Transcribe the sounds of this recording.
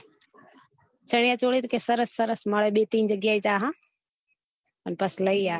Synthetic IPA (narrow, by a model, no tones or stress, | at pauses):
t͡ʃʰəɽ̃ijaːt͡ʃoːɽiːt̪kesəɾəsːəɾəsməɽeɓeːt̪iːnd͡ʑəɡɪjaːiːt͡ʃaːɦãː | ənpəsləiaː